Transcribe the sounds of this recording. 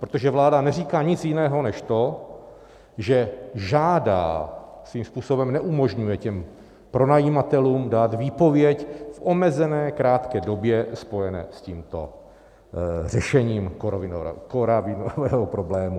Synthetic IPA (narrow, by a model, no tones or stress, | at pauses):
pɾot̪oʒɛvlaːdanɛriːkaːɲɪt͡sjɪnɛːɦo̞nɛʃt̪o̞ | ʒɛʒaːda̰ːsviːmspuːso̞bɛmnɛʔumo̞ʒɲujɛcɛm | pɾo̞najiːmat̪ɛluːmdaːt̪viːpo̞vjɛcfʔo̞mɛzɛnɛːkɾaːt̪kɛːdo̞bjɛspo̞jɛnɛ̰ːsciːmt̪o̰ | rɛʃɛɲiːmkovɪnkoɾavɪnovɛːɦopɾoblɛːmu